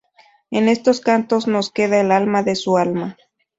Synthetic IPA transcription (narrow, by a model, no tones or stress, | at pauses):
ene̞st̪o̞skant̪o̞zno̞ske̞ð̞aelalmaðe̞sualma